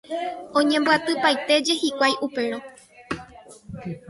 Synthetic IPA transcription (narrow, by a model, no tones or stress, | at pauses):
õɲẽmbɨat̪ɨpajt̪e̞d͡ʒe̞hikʷajʔupe̞ɾo